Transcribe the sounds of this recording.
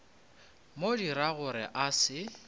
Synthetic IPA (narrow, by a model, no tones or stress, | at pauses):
modiɾaɣʊɾɪ̰ʔasɪ